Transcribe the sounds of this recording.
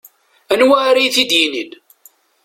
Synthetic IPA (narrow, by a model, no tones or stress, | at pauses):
ænwæɾijθid̪jinin